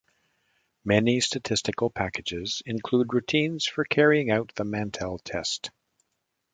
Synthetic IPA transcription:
mɛnistɨtʰɪstɨkl̩ˠpʰækɨd͡ʒɪz̥ɨ̃nkʰl̥ud̚ɹʉtʰĩnz̥fə˞kʰɛɹiɪ̃ŋaʊt̪̚ðəmæ̃ntʰɛlˠtʰɛ̰st

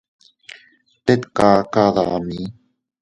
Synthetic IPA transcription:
t̪et̪kakaðaami

